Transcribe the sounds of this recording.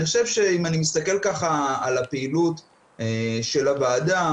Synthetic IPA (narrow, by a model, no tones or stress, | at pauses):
niχoʃevʃe̞imanimis̬t̪ake̞lkaχaːlapeilut | eʃe̞lavaːda